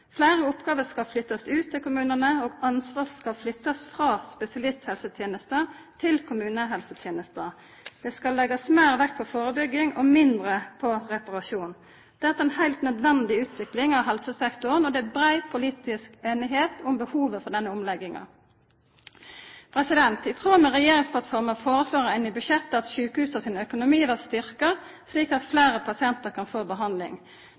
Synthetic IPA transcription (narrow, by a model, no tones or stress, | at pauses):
flæːʁəʊpɡɑːʋəskɑlflʏt̪ːɑsʉːt̪ʰːɪlkʊmʉːnənəoːɡɑnsʋɑːkɑlflʏt̪ːɑsfʁɑːspɛsɪɑlɪst̪hɛlsət̪ʰjeːnəst̪ə | t̪ʰɪlkʰʊmʉːnəɦɛlsət̪ʰjeːnəst̪ə | d̪̥ɛskɑlːɛɡɑsmeːɾʋɛkːpʰɔfoːʁəbʏɡːɪŋɔmɪnd̪ɾəpʰɔʁɛpɑʁɑʃuːn | d̪̥ɛt̪ːəɛnhæɪlt̪nœd̪ʋɛnd̪ɪʉːt̪ʋɪklɪŋɑʋhɛlsəsɛkt̪ʊʁənɔd̪ɛæbɾæɪpʰʊliːt̪ɪskeːnɪɦeːt̪ʊmbəhuːʋəfɔʁd̪ɛnːəʊmlɛɡːɪŋɑ̰ | pʰɾɛsɪd̪ɛnt̪ɪt̪ʰʁuːmɛʁɛjeːɾɪŋspʰlɑt̪fɔʁməfoːɾəføːʁəɛnɪbʉʃɛt̪ːɑt̪ʃʉːkhʉːsɑsɪnœkʊnʊmiːʋæʁst̪ʏʁkəsliːkɑt̪fleːɾəpʰɑsɪɛnt̪əɾkʰɑnfoːbəɦɑnd̪lɪ̰ŋ